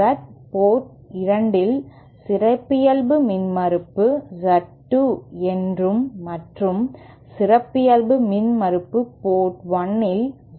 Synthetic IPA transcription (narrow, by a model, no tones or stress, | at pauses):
ɐʈ̚poːʈ | ɪɾɐɳɖɪl | sɪɾɐɪpːɪjɐlbɯmɪnmɐɾɯpːɯd͡ʒɐʈːɯɛndrɯmːɐʈrɯm | sɪrɐpːɪjɐlbɯmɪnmɐɾɯpːɯpoːʈʋɐnːɪl